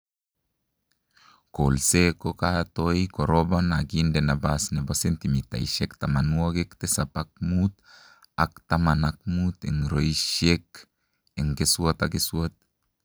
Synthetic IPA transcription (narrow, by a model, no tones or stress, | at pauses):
kolsekokat̪ojkoɾobanaɡindenabasnebasɛnt̪imit̪a̰iʃɛk̚t̪amanuaɡek̚t̪esapak̚mut̪̚ | ak̚t̪amanak̚mut̪ɛ̰ŋɾojʃek | ɛŋɡesuot̪aɡesuot̪̚